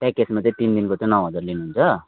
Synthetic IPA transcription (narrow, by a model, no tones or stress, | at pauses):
t̪ãkesmat̪et̪ind̪inkot͡s̪ʌ̃nʌwɦʌd͡zarlinuɦunt͡sʰʌ